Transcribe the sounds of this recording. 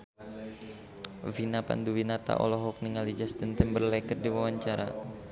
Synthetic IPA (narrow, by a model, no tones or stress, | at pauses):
vinapa̰nduwinat̪a̰ʔɔ̰lɔɦɔk̚niŋalid͡ʒast̪ənt̪ənbərlɛkərdiwawaɲt͡ʃaɾa̰